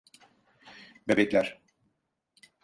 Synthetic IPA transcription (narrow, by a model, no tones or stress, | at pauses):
bebɛclʲæɾ̥